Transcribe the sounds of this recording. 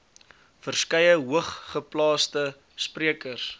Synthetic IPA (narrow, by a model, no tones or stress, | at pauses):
fərskɛjəɦuəχχəplɑːstə | spriəkərs